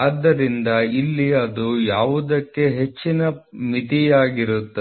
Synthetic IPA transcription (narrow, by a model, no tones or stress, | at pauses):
ɐd̪ːɐɾind̪ɐilːiɐd̪ujaːʋud̪ɐkːe̞ɦe̞t͡ʃːinɐmit̪ijaːɡiɾut̪ːe